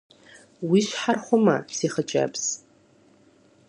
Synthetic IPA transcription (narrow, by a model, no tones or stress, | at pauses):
wiʃʷħarχʷʊma̰siχət͡ʃʼa̰pʰs